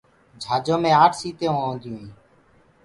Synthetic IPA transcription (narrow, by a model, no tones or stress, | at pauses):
d͡ʒʱaːd͡ʒõːmẽːaːʈʰsiːt̪eːõːõːnd̪ʱɪjũːĩː